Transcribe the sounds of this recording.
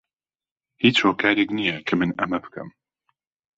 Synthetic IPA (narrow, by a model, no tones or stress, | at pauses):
hiːt͡ʃhoːkʰaːɾeknijɛkʰɨmɨnɐmɐbɨ̥kʰɨ̰m